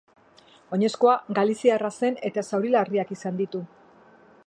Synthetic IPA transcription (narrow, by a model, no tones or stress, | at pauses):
o̞ɲe̞sko̞aɡalisiarase̞ne̞t̪asawɾilariakisand̪it̪u